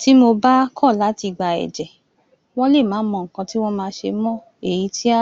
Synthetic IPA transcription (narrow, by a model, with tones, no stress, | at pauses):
ti˦mo˧ba˦kʰɔ˦˨la˨˦ti˧ɡ͡ba˧ɛ̰˨d͡ʒɛ˨ | wɔ̃˦le˦˨mãː˨˦mɔ̃˧ŋ̩˨kã˧ti˦wɔ̃˦mãː˧˦ʃe˧mɔ̃˦ | e˨ji˨˦tʰi˦a˦